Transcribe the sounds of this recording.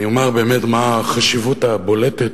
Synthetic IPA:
iomaʁbe̞ːmet̪maːχaʃivutabo̞let̪et̪

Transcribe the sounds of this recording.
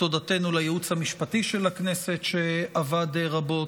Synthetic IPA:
o̞dat̪e̞nulajeut͡shamiʃpat̪iʃe̞laknese̞t̪ʃeavad̪ʁabo̞

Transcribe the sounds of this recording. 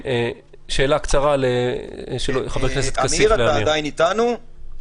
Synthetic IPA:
e | ʃe̞ːlakt͡saʁaleʃelojeχabekkneset̪kasialeaaid̪ajinit̪anu

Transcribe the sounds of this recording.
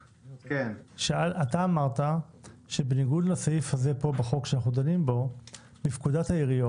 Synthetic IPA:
kenʃaalʔat̪aːmaʁt̪aʃe̞beniɡudlasajifhaze̞po̞beχo̞kʃeanaχnud̪animbo̞ | bifkud̪athaiʁijo

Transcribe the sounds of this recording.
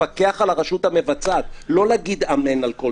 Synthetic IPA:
ake̞aχalaʁaʃut̪hame̞vat͡sat̪lo̞laɡid̪amenalko

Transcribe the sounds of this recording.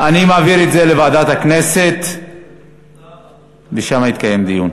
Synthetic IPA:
ʔanimaːviɾetze̞levaːd̪at̪hakne̞se̞t̪ | veʃamait̪̚kaje̞md̪ijun

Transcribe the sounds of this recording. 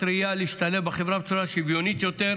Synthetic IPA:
ɾijaleiʃt̪alevbeχevɾabet͡suɾaʃivjo̞nit̪jo̞t̪eʁ

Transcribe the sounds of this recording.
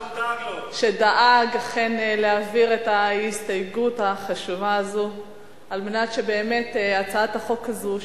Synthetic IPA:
ʃedaʔaɡaχenleaviʁetaistajɡutaχaʃuvaːzu | almenatʃebe̞ːme̞tat͡saathaχo̞khazu

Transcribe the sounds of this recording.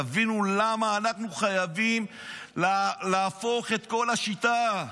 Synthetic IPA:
avinulamaːnaχnuχajavim | llaːfo̞χe̞t̪ko̞laʃit̪a

